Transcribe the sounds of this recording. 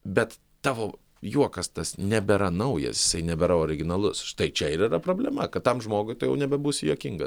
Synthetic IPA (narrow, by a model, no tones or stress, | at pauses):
bʲɛt̪ | t̪ɑːʋoː | juɔkɐst̪ɐsnʲɛbʲɛɾɐnɐʊjɛ̰sjɪsɐɪnʲɛbʲɛɾɐoːɾʲɪɡʲɪnɐlˠʊsʃt̪ɐɪt͡ʃʲɛɪɾiɾɐpɾoːbʲlʲɛmɐkɐt̪t̪ɐmʒmoːɡʊɪt̪ɐɪjɛ̰ʊnʲɛbʲɛbuːsʲɪjuːkʲɪŋɡɐ